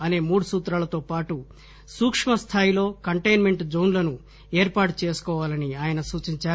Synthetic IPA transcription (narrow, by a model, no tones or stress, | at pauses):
ɐne̞ːmuːɽusuːt̪ɾaːlɐt̪o̞ːpaːʈu | suːkʂmɐst̪ʰaːjilo̞ːkɐɳʈejnme̞ɳʈd͡ʒoːnlɐnu | eːɾpaːʈu̥t͡ʃeːsu̥kɔːʋaːlɐniaːjɐnɐsuːt͡ʃiɲt͡ʃaːɾ